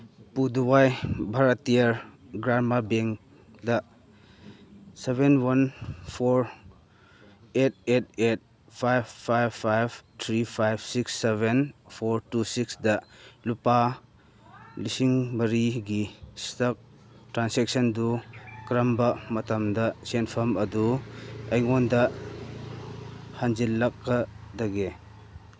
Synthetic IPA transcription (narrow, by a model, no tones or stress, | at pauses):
puduwajbʱɐɾatːijɐɾɡɾamabeŋ | dɐ | sebenwɐnpʰoɾ | et̚et̚et̚ | pʰajbpʰajbpʰːajbtʰɾipʰajbsiksːebʱenpʰoɾtusiksdɐlupa | lisiŋbɐɾiɡistɐk̚ | tɾansek̚sɐndukɾɐmbɐmɐtɐmdɐsenpʰɐmɐduɐjŋondɐ | hand͡ʒilːɐk̚ːɐdɐɡe